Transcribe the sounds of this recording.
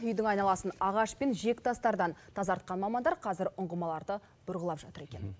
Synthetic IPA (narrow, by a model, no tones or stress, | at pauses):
ʏjd̪ɪŋɑjnɑlˠɑsənɑʁɑʃpe̞nʒe̞kʲt̪ʰɑst̪ɑɾd̪ɑnt̪ʰɑzɑɾt̪̚qɑnmɑmɑnd̪ɑɾqʰɑzɪɾʊɴʁəmɑlˠɑɾd̪ə | b̥ʊɾʁəlˠɑpʒɑt̪əɾe̞kʲe̞n